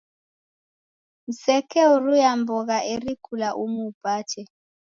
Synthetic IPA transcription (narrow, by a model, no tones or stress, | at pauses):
m̩sɛkɛuɾujambɔɣaʔeɾikʰulaʔumuːpat͡ʃʰɛ